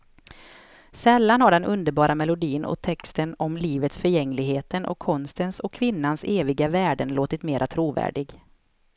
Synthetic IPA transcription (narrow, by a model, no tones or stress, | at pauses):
sɛlːanhaɖɛnʔɵnd̪əɾbɑːɾʔamɛlʊd̪iːnʔɔ̰t̪ʰːɛkst̪ənɔmliːvət̪sfœɾjɛŋːlɪɡɦeːt̪ʰənʔɔ̰kʰːɔnst̪ənsɔkʰːvɪnːanseːvɪɡavæːɖənloːt̪ɪt̪meːɾʔat̪ʰɾuːvæ̰ːɖɪɡ